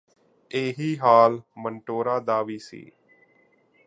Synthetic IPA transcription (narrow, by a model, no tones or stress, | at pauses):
eːɦiːɦaːlməɳʈoːɾaːd̪aːʋiːsḭː